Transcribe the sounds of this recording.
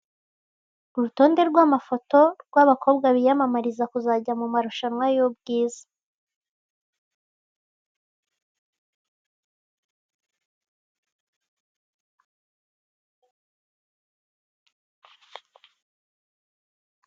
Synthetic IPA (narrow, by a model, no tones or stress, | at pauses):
uɾuto̞nde̞ɾɡwamafo̞to̞ɾɡwaβakʰo̞ːbɡaβijamamaɾizakuzaɟamumaɾuʃanwajob̚ɡiːzḁ